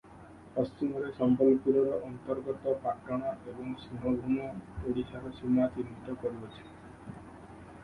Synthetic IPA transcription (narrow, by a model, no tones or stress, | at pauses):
pɔst͡ʃimɔɾesɔmpɔlpuɾɔɾɔʔɔnt̪ɔɾɡɔt̪ɔpaʈːɔɽ̃ɔebɔŋsiɦɔbʱumɔoɽisʰaɾɔsimat̪imit̪ɔkɔɾibɔt͡ʃʰi̥